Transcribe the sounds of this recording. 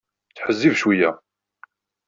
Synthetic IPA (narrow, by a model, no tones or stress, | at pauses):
t͡sħəzːivʃwijæ